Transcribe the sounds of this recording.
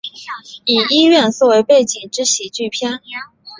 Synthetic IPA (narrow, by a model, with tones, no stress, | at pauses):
i˨˩i˥ɥɛ˥˧nswɔ˥˩we˧˥ɪpe˥˩ɪt͡ɕi˨˩ŋʈ͡ʂɻ̩˥ɕi˨˩t͡ɕy˥˩pʰjɛ˥n